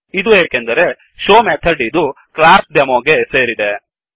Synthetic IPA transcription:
id̪ueːkend̪ɐɾe̞ | ʃoːmeːt̪ʰɐɖid̪u | klaːɾsd̪ɐmoːɡe̞seːɾid̪e

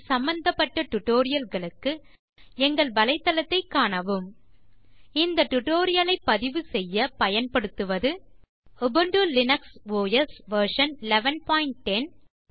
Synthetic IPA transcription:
sɐmbɐnd̪ɐpːɐʈːɐʈʊʈːoːɾɪjɐlɣɐɭɯkːɯ | ɛŋɡɐɭbɐlɐɪt̪ːɐlɐt̪ːɐɪkːaːɳɐʋɯm | ɪnd̪ɐʈːʊʈoːɾɪjɐlɐɪpːɐðɪʋɯsɛjːɐpɐjɐnpɐɽɯt̪ːɯʋɐðɯ | ʊbɯɳɖulɪnɐksʋoːjɐsʋɐɾʂɐnɪlɛʋɐnpaːɪɳʈ̚ʈɛn

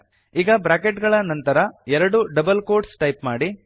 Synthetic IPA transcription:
iːɡɐbɾaːkeʈɡɐɭɐnɐnt̪ɐɾɐɛɾɐɽuɖɐbɐlkoːɾɖsʈɐjpmaːɽi

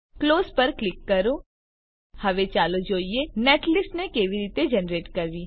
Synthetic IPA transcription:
kloːzpɐɾklɪkːɐɾõ | hɐʋet͡ʃaːlod͡ʒoːieneːʈʰlɪsnekeːʋiɾiːt̪ed͡ʒɛnɾeːʈkɐɾd̪iː

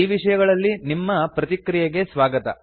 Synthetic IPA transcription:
iːʋiʂɐjɐɡɐɭɐlːinimːɐpɾɐt̪ikɾijɐɡe̞sʋaːɡɐt̪ɐ̰

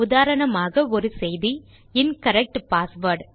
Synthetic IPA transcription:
ʊðaːɾɐɳɐmaːɣɐɔɾɯsɛjði | ɪnkɐɾɛk̚ʈpaːsʋɐɾɖ

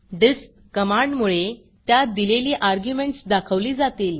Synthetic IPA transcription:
ɖisp̚kəmaɳɖmuɭe | t̪jad̪ileliːʔaɾɡjumeɳʈsd̪akʰəʋliːd͡zat̪iːl

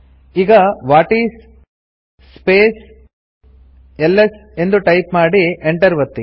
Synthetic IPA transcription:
iːɡɐʋaːʈiːsː | peːs | elːese̞nd̪uʈɐjpmaːɽieɳʈɐɾʋɐt̪ːi

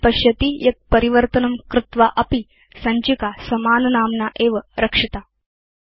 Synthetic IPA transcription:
pɐɕjɐt̪ijɐk̪̚pəɾiʋəɾt̪ənɐmkɾut̪ʋaʔɐpi | sɐɲt͡ɕikasɐmaːnɐnaːmnaʔeːʋəɾəkʂit̪a

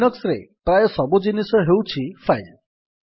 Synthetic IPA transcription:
nɔksɾepɾajɔsɔbud͡ʒinisɔɦewt͡ʃʰipʰajl

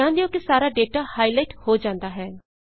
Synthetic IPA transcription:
ãːnd̪eõːkɪsaːɾaːɖeːʈaːhaːilaːɪʈhoːd͡ʒãːnd̪aːɦɛː

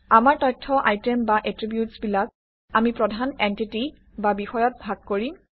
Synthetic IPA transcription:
amaɹtɔjtʰːɔʔajtembaʔetɹibjutsbilak̚ | amipɹɔdʱanɛntiti | babixɔjɔt̚bʱaɡ̚koɹim

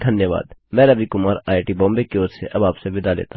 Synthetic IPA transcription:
d̪ʱɐnjəʋa̰ːd̪mɛ̃ːɾɐbikʊmaːɾaːɪʈibɔ̃ːmbekeoːɾseʔɐbaːpseʋɪd̪alḛːt̪a

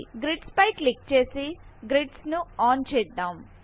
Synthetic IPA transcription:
ɡɾiʈspɐjklik̚t͡ʃe̞ːsiɡɾiɖsnuaːnt͡ʃɛːd̪ːaːm

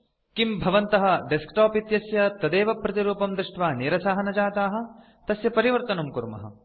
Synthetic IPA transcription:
kimbʱɐʋɐnt̪ɐɦɐ̆ɖeskʈaːpit̪jɐsjɐt̪ɐd̪eːʋɐpɾɐt̪iɾuːpɐmd̪ɾiʂʈʋaːniːɾɐsaːɦɐnɐd͡ʒaːt̪aːɦɐ̆ | t̪ɐsjɐpɐɾiʋɐɾt̪ɐnumkuɾmɐ̰ɦɐ̰

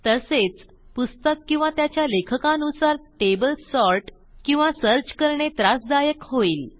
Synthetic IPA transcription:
t̪əset͡s | pust̪əkːĩw̃ʋat̪jat͡ɕjalekʰəkãnusaɾʈebəlsɔɾʈ | kĩw̃ʋasəɾd͡ʑkəɾɳet̪ɾasd̪ajəkɦoiːl

